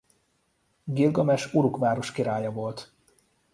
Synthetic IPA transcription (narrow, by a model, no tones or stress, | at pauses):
ɡilɡɒmɛʃuɾukʋaːɾo̞ʃkiɾaːjɒvo̞lt̪